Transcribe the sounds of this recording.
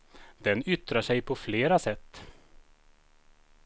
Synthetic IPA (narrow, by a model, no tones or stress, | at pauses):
d̪̥ɛnʏt̪ɾaʂɛjpʰɔfleːɾasɛt̪ː